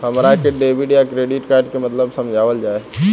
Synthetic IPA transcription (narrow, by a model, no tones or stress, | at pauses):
hɐmɾakeɖeːbiɖjakɾeːɖɪʈkaːɾɖkemɐt̪ləbsɐ̃md͡ʒʱaːʋəld͡ʒaːe